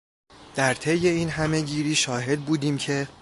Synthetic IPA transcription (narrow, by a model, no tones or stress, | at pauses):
d̪̥æɾt̪ʰe̞jːe̞iːnɦæme̞ɟiːɾiːʃɒːɦe̞d̪̚buːd̪iːmcʰe̞